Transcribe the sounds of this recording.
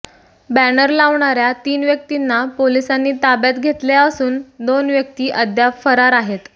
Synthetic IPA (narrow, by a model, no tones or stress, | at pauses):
bænəɾlaʋɳaɾjat̪iːnʋjək̚t̪inːapolisanːiːt̪abjat̪ɡʱet̪ljaəsuːnd̪onʋjək̚t̪iːʔəd̪jafəɾaɾaɦet̪